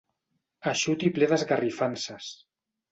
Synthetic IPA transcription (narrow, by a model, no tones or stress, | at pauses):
aʃut̪ipleðəzɣarifansas